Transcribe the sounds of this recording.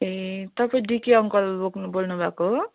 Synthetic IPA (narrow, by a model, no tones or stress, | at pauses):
et̪ʌpaĩɖikiʌŋkʌlboɡbolnubʱako